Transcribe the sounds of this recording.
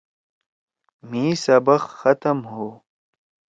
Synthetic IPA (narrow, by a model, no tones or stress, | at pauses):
miːsɐbɐxxɐt̪ɐmɦoː